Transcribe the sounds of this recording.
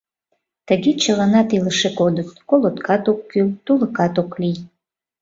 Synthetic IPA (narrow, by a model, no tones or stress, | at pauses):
tʰaɡʲit͡ʃʰaʁanatʰilɨʂɨkʼodɨtkʷʼolotkʰatʼok̚ʷʰɡʲiltʼulɨkʰʼatʼokʷʰlʲij